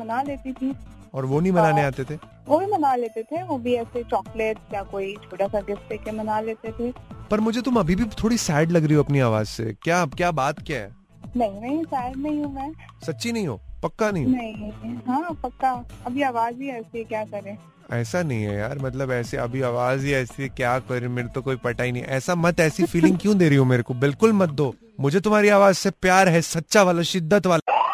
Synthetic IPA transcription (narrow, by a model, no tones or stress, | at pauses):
mɐnaːleːt̪it̪ʰiː | ɔːɾʋonɐɦĩmɐnaːneaːt̪et̪ʰe | ʋobʱimɐnaːleːt̪et̪ʰeʋoːbʱiɛːset͡ʃɔːkleʈjakoːit͡ʃʰoːʈasaɡɪft̪ekemɐnaːleːt̪et̪ʰeːpɐɾmʊd͡ʒʱet̪ʊmɐbʱibʱit̪ʰoːɽisɛːɪɖlɐɡɾɐɦiɦoɐpniaːʋaːzsḛkjaːkjaːbaːt̪kjaːɦɛ̰ː | nɐɦĩnɐɦĩsaːɪɖnɐɦĩɦũmɛ̃ː | sɐtːʃinɐɦĩɦo̰ːpɐkːanɐɦĩɦnɐɦĩɦãːpɐkːaɐbʱiaːʋaːzbiɛːsiɛkjaːkɐɾẽː | ɛːsanɐɦĩɦɛ̰ja̰ːɾmɐt̪ləbɛːseɐ̰bʱiaːʋaːzɦiɛːsikjaːkɐɾẽmeːɾet̪okoːipɐʈaːinɐɦĩʔɛːsamɐt̪ɛːsifiːlɪ̃ŋɡkjũd̪eːɾɐɦiɦũmeːɾekobɪlkʊlmɐt̪̚d̪oː | mʊd͡ʒʱet̪ʊmɦaːɾiaːʋaːzsepjaːɾɦɛsɐtːʃaʋaːlaʃɪd̪ːət̪ʋaːla